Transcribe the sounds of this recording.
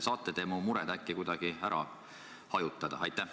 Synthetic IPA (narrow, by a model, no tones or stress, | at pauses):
sɑːt̪ːˑed̪̥eːmumuɾɛd̪̥ækːikujd̪̥ɑɡ̥iæɾʔɑ̰ | hɑjut̪ːˑɑd̪̥ɑɑjt̪ːˑæh